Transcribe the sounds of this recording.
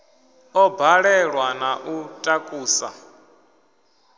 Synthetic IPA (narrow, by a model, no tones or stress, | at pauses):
ɔbʱaɺɛɺwanaʔutʼakʼuːsa̰